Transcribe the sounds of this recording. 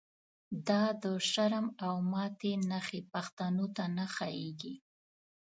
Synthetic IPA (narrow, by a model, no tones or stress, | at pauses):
d̪ɑd̪əʃaɾəmawmɑt̪enaxepaxt̪anot̪anaxɑjeɡi